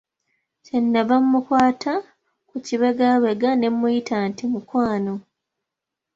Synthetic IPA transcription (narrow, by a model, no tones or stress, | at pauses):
cenːaβamːukwaːtʰa | kuciβe̞ɡaβe̞ɡane̞mːujitantimukwaːno̞